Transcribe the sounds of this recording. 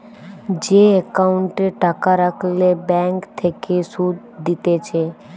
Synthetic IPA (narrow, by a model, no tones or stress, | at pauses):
d͡ʒeekauɳʈeʈakaɾəkʰlebɛ̃ŋkt̪ʰekesud̪ | d̪it̪et͡ʃʰe